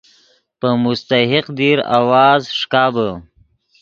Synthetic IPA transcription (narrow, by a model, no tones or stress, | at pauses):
pəmʊst̪aɦɪqd̪iɾa̰wɑːzʂkɑːbə